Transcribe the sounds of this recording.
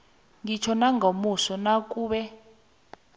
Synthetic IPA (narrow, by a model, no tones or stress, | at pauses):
ŋit͡ʃʰɔnaŋomusɔnakʼuːɓɛ